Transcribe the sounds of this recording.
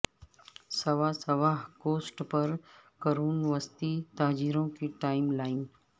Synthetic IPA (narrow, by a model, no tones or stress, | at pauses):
sɐʋaːsɐʋaːɦkoːsʈpɐɾkəɾuːnʋəst̪it̪aːd͡ʒiːɾõkiʈaːɪmlaːɪn